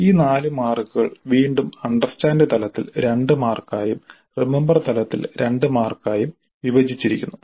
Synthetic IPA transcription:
iːnaːlɨmaːrkɨɣɐɭʋiːɳɖumɐɳɖɐrstaːndɨt̪ɐlɐt̪ːḭlɾe̞ɳɖɨmaːrkaːjum | rimembɐrt̪ɐlɐt̪ːḭlɾe̞ɳɖɨmaːrkaːjum | ʋiʋɐd͡ʑit͡ɕːiɾikʲːunːu

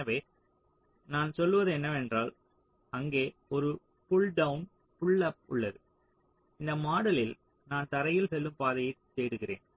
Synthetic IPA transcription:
ɐʋeː | naːnsɔlːɯʋɐðɯɛnːɐʋɛndraːl | ɐŋɡeːɔɾɯ | fʊɭɖɐʋɯn | pʊɭːɐpʊ̰ɭːɐðɯ | ɪnd̪ɐmaːɽɐlɪl | naːnt̪ɐɾɐjɪlsɛlːɯmpaːðɐjɐɪt̪ːeːɽɯɣɪrḛːn

